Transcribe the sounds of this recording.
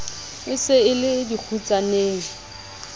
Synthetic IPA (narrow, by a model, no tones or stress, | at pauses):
ɪsɪɪlɪdik͡xʰut͡sʼaneːŋi